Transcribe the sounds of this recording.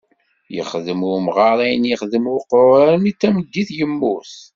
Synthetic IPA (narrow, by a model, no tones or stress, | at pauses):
jə̰χðəmʊɾmʁɑɾˤijnjəχðəmʊɾqɾɾæɾənit͡sːæməd̪ːiθjəmːuθ